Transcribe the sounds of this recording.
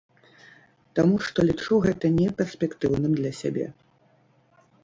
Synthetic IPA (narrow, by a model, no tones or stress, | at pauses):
t̪amuʂt̪ɔlʲit͡ʂuɣɛt̪ɐnʲɛpʲɛrsʲpʲɛkt̪ɨwnɨmd̪lʲɐsʲabʲɛ̰